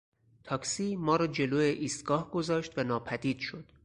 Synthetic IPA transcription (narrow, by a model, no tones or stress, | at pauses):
t̪ʰɒːksiːmɒːɾɒːd͡ʒe̞loːjeʔiːst̪ɡ̥ɒːhɡo̞zɒːʃt̪vænɒːpʰæd̪iːd̪̥ʃo̞d̪̥